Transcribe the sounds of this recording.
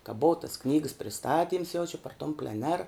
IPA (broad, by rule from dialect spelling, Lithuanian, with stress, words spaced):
kɐ ˈboːʊ tɐs ˈknʲiːɡəs pʲrʲɪˈstɑːtʲiːms jɛʊ t͡ʃʲɛ pɐr toːm pʲlʲɛˈnʲɛr